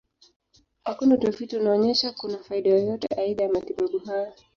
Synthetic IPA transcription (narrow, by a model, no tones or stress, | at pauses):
hakunautafutiunaɔɲɛʃakunafaiɗajɔjɔtɛ̰ʔaiɗajamatiɓaɓuɦajɔ